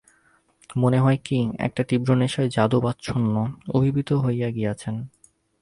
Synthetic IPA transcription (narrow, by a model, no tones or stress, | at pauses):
moneɦɔekiɛ̰k̚ʈat̪ibɾoneʃaed͡ʑad̪obat̪ːt͡ɕʰonːoobʱibit̪oɦojaɡijat͡ɕʰen